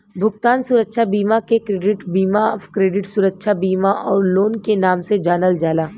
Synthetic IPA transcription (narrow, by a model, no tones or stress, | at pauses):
bʱʊɡt̪aːnsuːɾəkʃʰabiːmakekɾeːɖɪʈbiːmaɔːfkɾeːɖɪʈsuːɾəkʃʰabiːmaʔɔːɾloːnkenaːmsed͡ʒaːnəld͡ʒaːlaː